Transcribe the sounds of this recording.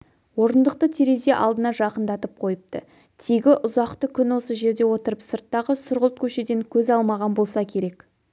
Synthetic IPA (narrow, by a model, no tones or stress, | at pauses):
wo̞ɾənd̪əq̚t̪ət̪ʰeɾe̞ze̞ʔɑ̰lˠd̪ənɑʒɑqənd̪ɑt̪əp̚qʰo̞jəp̚t̪ə | t̪ʰijɡʲɪʔʊzɑqt̪əkʲʰʏnwo̞səʒe̞ɾd̪e̞wo̞t̪əɾəpsəɾt̪ːɑʁəsʊɾʁəlˠt̪̚kʲʰɵʃe̞d̪e̞ŋkʲʰɵzɑlˠmɑʁɑnbo̞lˠsɑkʲʰe̞ɾe̞k